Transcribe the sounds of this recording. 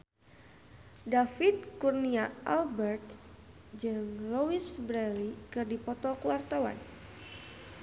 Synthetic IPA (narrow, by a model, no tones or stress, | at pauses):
dafid̪̚kurniaʔalbɛrt̪̚ | d͡ʒɨŋlowisbɾɛlikɨrdipɔt̪ɔkuwart̪awa̰n